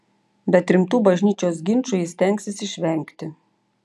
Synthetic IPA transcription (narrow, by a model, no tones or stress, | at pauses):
bʲɛt̪ɾʲɪmt̪uːbɐʒʲnʲiːt͡ʃʲoːs̬ɡʲɪnˑt͡ʃujɪsʲt̪ʲɛŋʲksʲɪsɪʃʲʋʲɛŋʲkt̪ʲɪ